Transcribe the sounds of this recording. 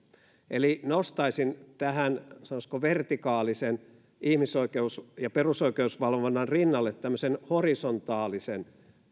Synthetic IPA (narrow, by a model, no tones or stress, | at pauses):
ʔelinost̪ɑisint̪æhænsɑnoskoʋert̪ikɑːlisen | ihmisoikeusjɑperusoikeusʋɑlʋonːɑnrinːɑlːet̪t̪æmːøsenhorisont̪ɑːlisen